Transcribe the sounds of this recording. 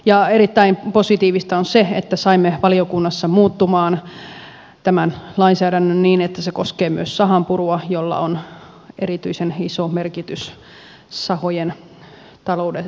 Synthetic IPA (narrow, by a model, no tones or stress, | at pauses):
jɑeɾit̪ːæimposit̪iːʋist̪ɑonseḛt̪ːæsɑimːeʋɑliokunːɑsːɑmuːt̪ːumɑːn | t̪æmænlɑinsæːdænːønniːnet̪ːæsekoskeːmyøssɑɦɑmpuruɑjolːɑ̰on | eɾrit̪yisenisomerkit̪ys | sɑhojen | t̪ɑloude